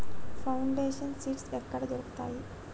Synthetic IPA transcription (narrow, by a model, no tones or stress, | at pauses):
fauɳɖeɕənsiːʈsɛkːaɽd͡zoɽkt̪a̰i